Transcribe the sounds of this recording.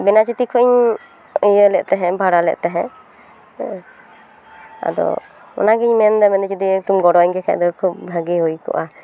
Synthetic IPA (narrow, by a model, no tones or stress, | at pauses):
bɛnat͡ʃit̪ikʰɔiɲ | əjəlɛʔt̪ɛɦɛ̃bʱaɽalɛ̰ʔt̪ɛɦɛ̃ | a̰d̪ɔ̰ | ɔ̰naɡiɲmɛnd̪ɛmɛnit͡ʃid̪iʈumɡɔɽɔɲkɛkʰa̰ʔd̪ɔkʰup̚bʱaɡiɦujkɔ̰ʔa